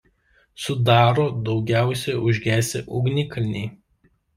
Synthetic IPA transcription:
sʊd̪ɑːɾoːd̪ɒʊɡʲæˑʊsʲɛʊʒʲɡʲæːsʲɪʔʊɡnʲɪkɐlʲnʲɛɪ

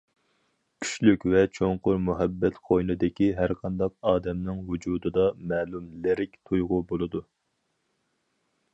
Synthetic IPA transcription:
kʲʰy̥ʃlykʲvɛt͡ʃʰoŋqʊɾmuɦɛbːɛt̪qʰojnɨd̪ɪkʲiɦæɾqʰɑnd̪ɑqɑːd̪ɛmnɨŋɦud͡ʒuːd̪ɨd̪ɑmɛːlumlɪɾɪkʲt̪ʰojʁʊbolˠɨd̪u

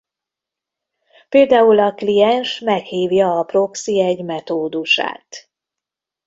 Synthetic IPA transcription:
peːld̪aːulɒklijɛnʃmɛkhiːvjɒːpro̞ksiɛɟmɛt̪oːd̪uʃa̰ːt̪

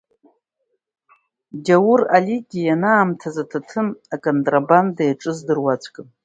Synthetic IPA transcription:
dawuraliɡʲijanaːmtʰazatʰatʰɨnakʼontʼrabandajaʈ͡ʂʼɨzdɨrwat͡sʷʰʼkʼɨn

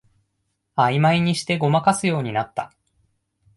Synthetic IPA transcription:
aimaiɲ̟iɕi̥t̪e̞ɡo̞makasɨjo̞ːɲ̟inat̪ːa

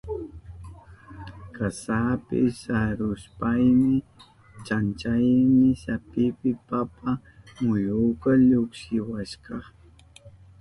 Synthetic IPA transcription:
kasapɪ̰saɾʊspajmɪ | t͡ʃant͡ʃajmɪsapɪpɪpapa | mʊjukaʎokʃɪwaʃkɑ

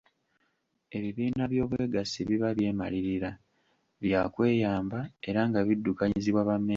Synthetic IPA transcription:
e̞βiβiːnaβjo̞ːβwe̞ːɡasiβiβaβje̞ːma̰liɾiɾa | βjakwe̞ːjaːmbae̞ɾaŋɡaβidːukaɲiziβwaβamːe

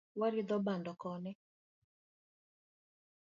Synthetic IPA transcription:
waɾɪd̪ɔbandɔkɔnɛ

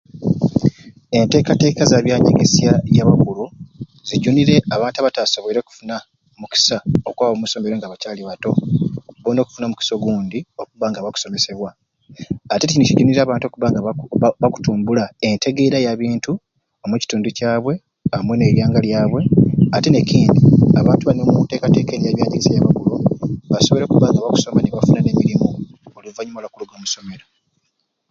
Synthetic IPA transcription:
e̞nte̞ːkate̞ːkazaːβjaːɲḛɡesjajaβakulu | ziɟuniɾe̞aβaːntuaβataːso̞βeiɾo̞ku̥funa | muki̥saokwaːβomuso̞ːme̞ɾeŋɡaβacaːliβato̞βono̞ku̥funamuki̥so̞ɡuːndio̞kuβaːŋɡaβaku̥so̞me̞se̞βwaː | teicinuciɟuːniɾeaːβaːntokuβaŋɡaβaku̥tuːmbulae̞nte̞ɡe̞ːɾajaβiːntu | omweci̥tuːnducaːβwe̞ | amwene̞ɾjaːŋɡaljaːβwe̞atene̞ciːndiaβaːntuβanomute̞ːkate̞ːkenijaβjaːɲɟiɡisejaβakuluβaso̞β̞ɾo̞ːkuβaːŋɡaβaku̥so̞maneβafunane̞miɾimuoluvaɲumalakuluɡo̞ːmuso̞me̞ɾo̞

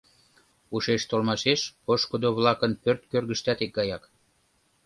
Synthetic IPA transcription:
uʃeʃt̪olmɑʃeʃpoʃkod̪oβlɑkənpørt̪kørɣəʃt̪æt̪ek̚ɡɑjɑk

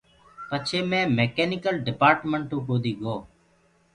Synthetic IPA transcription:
pət͡ʃʰeːmẽːmeːkeːnɪkəlɖɪpaːɾʈməɳʈũːkoːd̪iːɡoː

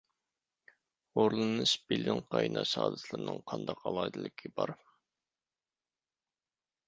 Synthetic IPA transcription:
oɾlˠɨnɨʃbɪlɪŋqʰɑjnɑʃɑːd̪ɨsʰlˠɨɾnɨŋqʰɑnd̪ɑqɑlˠɑd̪ɨlˠɪkʲʰibɑɾ

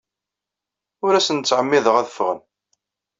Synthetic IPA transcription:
ʊɾæsənt͡sːʕəmːiðəʁæðəfʁən

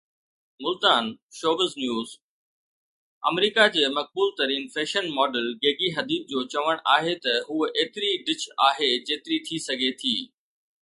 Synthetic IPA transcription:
mʊlt̪aːnʃoːbəznjuːz | ɐ̰mɾiːkad͡ʑeːmɐk̚buːlt̪ɐɾiːnfeːʃənmɔːɖəlɡeːɡiɦɐd̪iːt̪̚d͡ʑoːt͡ɕɐʋəɽ̃ʔaːɦet̪ɐɦuːʔeːt̪ɪɾiɖɪt͡ɕaːɦed͡ʑeːt̪ɪɾit̪ʰisɐɡʱet̪ʰiː

